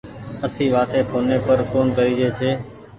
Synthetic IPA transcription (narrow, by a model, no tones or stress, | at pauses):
əsĩːʋaːt̪eːpʰoːnːeːpəɾkoːnkəɾiːd͡ʒeːt͡ʃʰeː